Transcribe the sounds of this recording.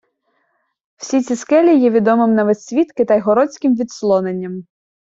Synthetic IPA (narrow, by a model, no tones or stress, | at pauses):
w̥sʲit̪t͡sʲiskɛlʲijɛʋʲid̪ɔmɪmnɐʋesʲʋʲit̪kɪt̪ɐjɦɔɾɔt͡sʲkʲɪmʋʲit̪slˠɔnenʲːɐm